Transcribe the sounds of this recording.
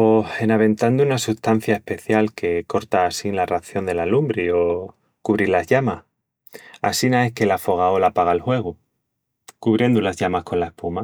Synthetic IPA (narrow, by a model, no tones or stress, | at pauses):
ohe̞naβ̞ẽ̞nt̪and̪uunasuht̪an̟θjae̞hpe̞θjalke̞ko̞ɾt̪aːsinlaraθjo̞nd̪e̞lalumbɾio̞ | kuβɾilazʎamah | a̰sinae̞hke̞lafo̞ɣ̞aolapaɣ̞alhwe̞ɣ̞u | kuβɾje̞nd̪ulazʝamahko̞nlae̞hpuma